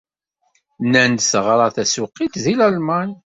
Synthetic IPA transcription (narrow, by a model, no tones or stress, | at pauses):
nænd̪səʁɾˤɑθæsuqːit̪ðilælmæn